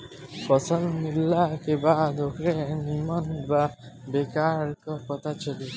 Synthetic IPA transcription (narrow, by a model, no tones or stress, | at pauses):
fɔsɔlmilːakebad̪ʱokɾenimɔnbabekaɾkɔkɔt̪ʰat͡ɕʰoli